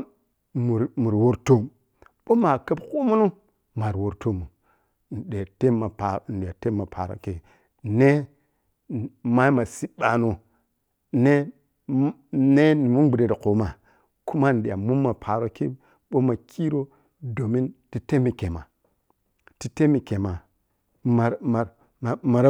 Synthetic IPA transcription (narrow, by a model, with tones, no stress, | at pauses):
mu˨ɾmu˨ɾwo˦ɾto˦ | ɓo˦ma˨ka˦bku˦mu˦nu˦ | ma˨ɾwo˨ɾto˦mu˨ | n̩˨de˨te˦ma˨pn̩˨ɗi˨a˨te˦ma˨pʰa˨ɾo̰˨ke˨ | ne˦˨ | ma˦i˦ma˨si˦ɓa˨no˦ | ne˦ | ne˦ni˨mu˦nɡ͡bi˨de˨ɾi˨ko˨ma˨ | ku˦ma˦n˨ɗi˨ja˨mu˦mːa˨pʰa˨ɾo˦ki˦ | ɓo˦ma˨kʰi˦ɾo˦ | do˨mi˦nti˨˦te˦mi˨ke˨ma˨ | ti˦te˦mi˨ke˨ma˨ | ma˨ɾma˨ɾ | ma˨ɾ